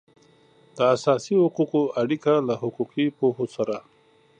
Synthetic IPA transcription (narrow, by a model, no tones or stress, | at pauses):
d̪əasɑsihʊquqoaɽikalahʊquqipoɦosaɾa